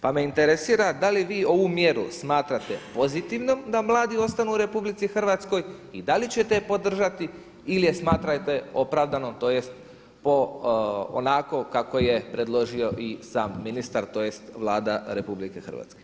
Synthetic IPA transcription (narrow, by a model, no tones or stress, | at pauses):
pame̞int̪e̞ɾe̞siːɾad̪aliʋiːo̞ʋumjeɾṵsmaːt̪ɾat̪e̞po̞zit̪iʋno̞md̪amlˠaːd̪io̞st̪anuːɾe̞publit̪sixr̩ʋat̪sko̞jid̪alit͡ɕe̞t̪e̞po̞d̪r̩ʒat̪i | ilije̞smaːt̪ɾajt̪e̞o̞pɾaːʋd̪anot̪o̞ːjest̪ | po̞ | o̰nako̞kako̞je̞pɾe̞d̪lˠo̞ʒio̞ʔisaːmːinist̪aɾt̪oːjest̪ʋlˠaːd̪aɾe̞publike̞xr̩ʋa̰t̪ske